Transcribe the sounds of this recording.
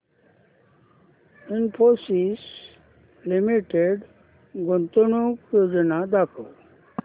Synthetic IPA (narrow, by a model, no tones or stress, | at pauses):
inpʰosis | limiʈeɖ | ɡont̪onukjoːd͡ʑnad̪aːkoː